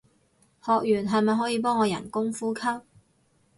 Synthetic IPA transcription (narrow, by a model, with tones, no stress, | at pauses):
hɔː˨k̚jyː˨˩nɦɐ˨˧jmɐ˨jɦɔː˨˥jiː˨˧pɔː˥ŋːɔː˨˧jɐ̰˨˩nkʊ˥ŋfuː˥kʰɐ˥p̚